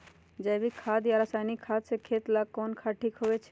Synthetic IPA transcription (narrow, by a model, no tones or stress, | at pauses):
d͡ʒɛjbʱikʰad̪jaɾəsajnikʰːad̪sekʰeːt̪lakonkʰaʈʰikɦoʋet͡ʃʰe